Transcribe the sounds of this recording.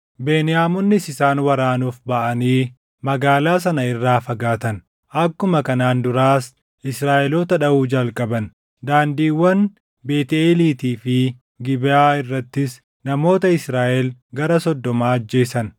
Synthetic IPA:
be̞ːnɪjaːmɔnːɪsɪsaːnwɐɾaːnuːfbɐʔɐniː | mɐɡaːlaːs̬ɐnɐɪrːaːfɐɡaːt̪ɐn | ʔɐkːʊmɐkɐnaːnd̪ʊɾaːs | ʔɪsɾaːʔɛloːt̪ɐᶑɐuːd͡ʒɐlkʼɐbɐn | d̪aːnd̪iːwːɐn | be̞ːt̪eːliːt̪iːfɪ | ɡɪbɪaːɪrːɐt̪ːɪs | nɐmo̞ːt̪ɐɪsɾaːʔɛlɡɐɾɐsɔd̪ːɔmaːɐd͡ʒːe̞ːsɐn

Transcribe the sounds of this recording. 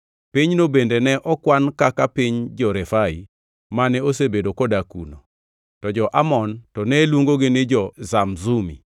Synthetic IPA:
piɲnobendenɛʔɔkwankakapɪɲd͡ʒɔɾɛfaḭ | manɛosebedokɔdakṵno̰ | tɔd͡ʒɔʔamɔntɔnɛlwoŋɡoɡɪnɪd͡ʒɔzamzumḭ

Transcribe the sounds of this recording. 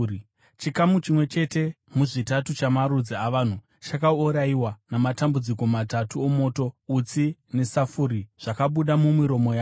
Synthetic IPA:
t͡ʃikamut͡ʃimwe̞t͡ʃe̞te̞ | muʐitatut͡ʃamaɾud͡ziaʋaːn̤u | t͡ʃakauɾaiwanamatambud͡ziko̞matatuomo̞ːto̞ut͡sine̞safuɾiʐ̥akaɓuɗamumiɾo̞mo̞jaː

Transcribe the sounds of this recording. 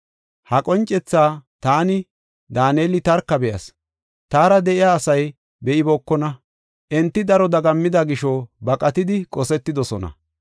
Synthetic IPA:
hɐkʼɔnt͡ʃʼːɛt͡sːaːt̪aːnɪ | d̪aːneːlɪt̪ɐɾkːɐbɛʔɐ̰s | t̪aːɾɐd̪ɛʔɪjaːsɐj | bɛʔɪbɔːkːɔnɐ | ʔɛnt̪ːɪd̪ɐɾɔd̪ɐɡɐmːɪd̪ɐɡɪʃɔbɐkʼɐt̪ɪd̪ɪkʼɔsɛt̪ːɪd̪ɔsɔnɐ̰

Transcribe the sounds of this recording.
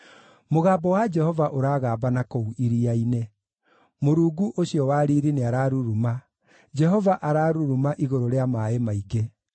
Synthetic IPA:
moɣaːbɔwad͡ʒɛhɔvaʔoɾaːɣaːbanakouʔiɾiaine | moɾuːɡuʔoɕiɔwaːɾiːɾineaɾaːɾuɾuma | d͡ʒɛɦɔvaʔaɾaːɾuɾumaʔiɣoɾoɾeamaemaiɡe

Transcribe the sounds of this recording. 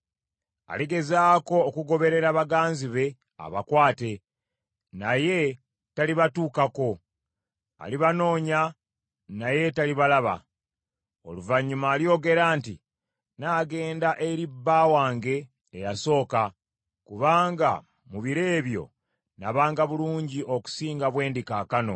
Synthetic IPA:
a̰liɡe̞zaːko̞ːkuɡo̞βe̞ɾe̞ɾaβaɡaːnziβe̞ | a̰βakwaːte̞ | naje̞ | taliβatuːkako̞ | a̰liβano̞ːɲa | naje̞taliβalaβa̰ | o̞̰luvaɲːumaːljo̞ːɡe̞ɾaːntḭ | naːɡe̞ːndaʔe̞ɾibːaːwaːŋɡe̞ː | jaso̞ːka | kuβaːŋɡa | muβiɾe̞ːβjo̞̰ | naβaːŋɡaβuluːɲɟiʔo̞ku̥siːŋɡaβwe̞ːndikaːkano̞̰

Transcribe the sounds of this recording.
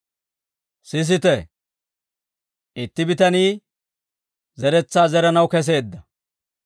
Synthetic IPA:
sɪs̬ɪt̪ɛ | ʔɪt̪ːɪbɪt̪ɐniː | zɛɾɛt͡sːaːzɛɾɐnɐwkɛs̬e̞ːd̪ːɐ

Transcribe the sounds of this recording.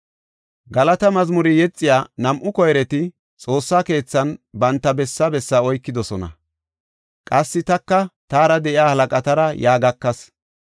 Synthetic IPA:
ɡɐlɐt̪ɐmɐzmʊɾɪjɛt͡sʼːɪjaːnɐmʔʊkɔjɾɛt̪ɪ | t͡sʼo̞ːsːaːke̞ːt͡sːɐnbɐnt̪ːɐbɛsːɐbɛsːaɔjkːɪd̪ɔsɔnɐ̰ | kʼɐsːɪt̪ɐkːɐt̪aːɾɐd̪ɛʔɪaːhɐlɐkʼɐt̪ɐɾɐjaːɡɐkːɐs

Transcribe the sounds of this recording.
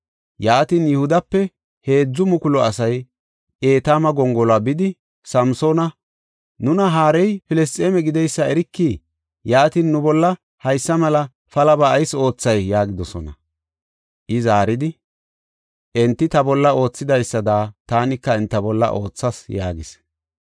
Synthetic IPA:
jaːt̪injɛhʊd̪ɐpːɛ | he̞ːd͡zːʊmʊkʊlɔɐsɐj | ʔe̞ːt̪aːmɐɡɔŋɡɔlabɪd̪ɪ | sɐmsoːnɐ | nʊnɐɦaːɾɛjfɪlɛs̬t̪ʼːeːmɛɡɪd̪ɛjsːɐɛɾɪkːiː | jaːt̪inːʊbɔlːɐ | hɐjsːɐmɐlɐ | fɐlɐbɐːjso̞ːt͡sːɐjːaːɡɪd̪ɔsɔnɐ̰ | ʔɪzaːɾɪd̪ɪ | ʔɛnt̪ːɪt̪ɐbɔlːɐo̞ːt͡sːɪd̪ɐjsːɐd̪aːt̪aːnɪkːɐɛnt̪ːɐbɔlːɐ̰ʔo̞ːt͡sːɐsja̰ːɡɪs

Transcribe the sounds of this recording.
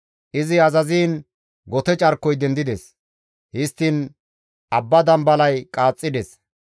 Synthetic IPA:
ʔɪzɪɐzɐziːn | ɡɔt̪ɛt͡ʃʼɐɾkːɔjd̪ɛnd̪ɪd̪ɛs | hɪst̪ːɪn | ʔɐbːɐd̪ɐmbɐlɐjkʼaːt͡sʼːɪd̪ɛs

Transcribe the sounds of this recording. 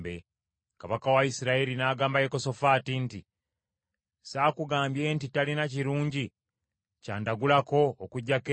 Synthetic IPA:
bḛ | kaβakawaisiɾaelinaːɡaːmbajeko̞so̞faːtinti | saːkuɡaːmbje̞ːntitalinaciɾuːɲɟi | caːndaɡulako̞ːkuɟːake

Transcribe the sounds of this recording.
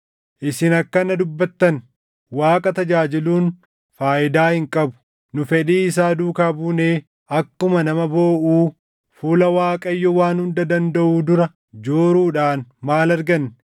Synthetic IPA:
ʔɪsɪnɐkːɐnɐd̪ʊbːɐt̪ːɐn | waːkʼɐt̪ɐd͡ʒaːd͡ʒɪluːn | faːʔɪd̪aːhɪŋkʼɐbʊ̥ | nʊfɛᶑiːɪsaːd̪uːkaːbuːneː | ʔɐkːʊmɐnɐmɐbo̞ːʔuː | fuːlɐwaːkʼɐjːɔwaːnhʊnd̪ɐd̪ɐnd̪ɐʔuːd̪ʊɾɐ | d͡ʒoːɾuːᶑaːnmaːlɐɾɡɐnː

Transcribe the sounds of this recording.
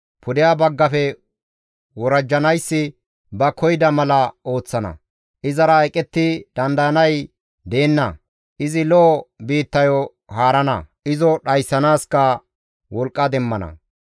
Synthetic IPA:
pʰʊd̪ɪjabɐɡːɐfɛ | wɔɾɐd͡ʒːɐnɐjsːɪ | bɐkɔjd̪ɐmɐlɐo̞ːt͡sːɐnɐ̰ | ʔɪzɐɾɐɛkʼːɛt̪ːɪd̪̥ɐnd̪ɐjɐnɐj | d̪e̞ːnːɐ | ʔɪzɪlɔːbiːt̪ːɐjɔ | haːɾɐnɐ̰ɪzɔɗɐjsːɐnaːskɐ | wɔlkʼːɐd̪ɛmːɐnɐ̰

